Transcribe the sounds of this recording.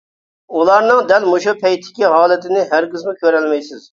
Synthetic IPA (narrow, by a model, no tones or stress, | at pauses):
ulˠɑɾnɨŋd̪ɛlmuʃupʰɛjt̪ʰːɪ̥kʲiɦɑːlˠɪt̪ʰɪnɪɦæɾkʲɪzmʊkʲøɾɛlmɛjsɪz